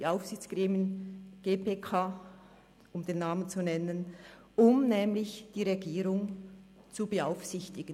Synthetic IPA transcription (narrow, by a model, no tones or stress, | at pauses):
iaʊfsɪçt͡sɡ̥ʁeːmjənɡ̥eːpʰekʰaː | ʊmd̥eːnːaːmənt͡sunɛnən | ʔʊmnɛːmlɪçd̥iːʁeɡiːɾʊŋ | t͡subəaʊfsɪçtɪɡ̥ən